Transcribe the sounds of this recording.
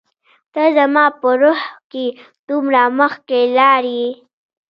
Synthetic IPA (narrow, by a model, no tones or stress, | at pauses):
t̪əzamɑpəɾohke | d̪̥umɾaməxkelɑɾi